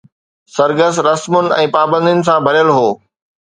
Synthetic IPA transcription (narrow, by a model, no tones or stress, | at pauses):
sɐɾɡəsɾɐsmʊnɪ̆ɛ̃ːpaːbə̃nd̪ʊnɪ̆s̬ãbʱɐɾjəlɦoː